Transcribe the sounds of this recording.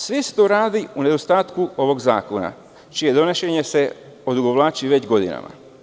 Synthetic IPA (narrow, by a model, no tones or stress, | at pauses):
sʋise̥t̪oːɾaːd̪iune̞d̪o̞st̪aːt̪kuo̞ʋo̞ɡza̰ːko̞na̰ | t͡ʃije̞d̪o̞neʃeɲe̞se̞ | o̞d̪uɡoʋlˠaːt͡ɕiʋe̞d͡ʑɡo̞d̪ḭna̰ma̰